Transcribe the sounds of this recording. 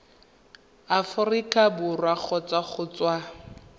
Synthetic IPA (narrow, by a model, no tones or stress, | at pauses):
afʊrikʼabʊrwak͡xʰɔt͡saχʊt͡swa